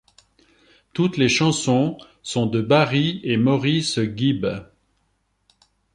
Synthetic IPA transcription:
t̪ut̪leʃɑ̃sɔ̃ | sɔ̃d̪əbaʁiemɔʁisɡʲib

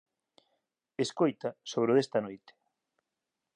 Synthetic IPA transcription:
eskojt̪ɐsoβɾʊðest̪ɐnojt̪e̥

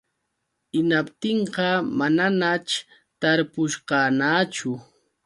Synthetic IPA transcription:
ɪnapt̪ɪɴqɑmananat͡ʃ | t̪aɾpʊʃɢɑːnaːt͡ʃʊ

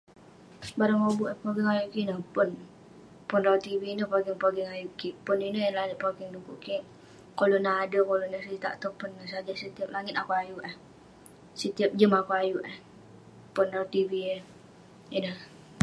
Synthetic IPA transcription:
baɾaŋobuʔəhpoɡɪŋajuʔkinəpʊn | pʊnraut̪ivinəhpaɡɪŋpoɡɪŋajuʔkipʊninəjəlaŋɪt̪̚pakɪŋdukuʔkiŋ | kolonaɦadəkolonəsit̪a̰ʔt̪opʊnːəsad͡ʒasət̪iap̚laŋɪt̪akuajuʔəh | sət̪iap̚d͡ʒəmakuajuʔəh | pʊnraut̪iviə | inəh

